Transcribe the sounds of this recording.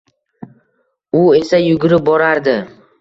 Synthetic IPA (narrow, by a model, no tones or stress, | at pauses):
ʊe̞sajʊɡʲʊɾɪp̚bɒɾaɾd̪ɪ